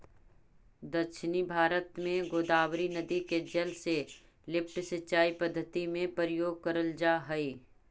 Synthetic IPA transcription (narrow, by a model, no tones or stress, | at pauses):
d̪ɐkʃɪnibʱaːɾət̪mẽɡoːd̪aːwɾinəd̪iked͡ʒɐlse | lɪpʈsət͡ʃaːipəd̪ʱːət̪imẽpəɾəjoːɡ̚kɐɾəld͡ʒaːɦəiː